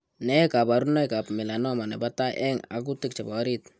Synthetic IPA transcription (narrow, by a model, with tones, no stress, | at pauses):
nɛ˦ka˨ba˨ɾu˦nɔ˦jka˨pmɪ˨la˨nɔ˦ma˨nɛ˨ba˦ta˦ʔɛ˦ŋa̰˨ku˦tɪ˦k̚t͡ʃa˨bɔ˨˦ɾit̪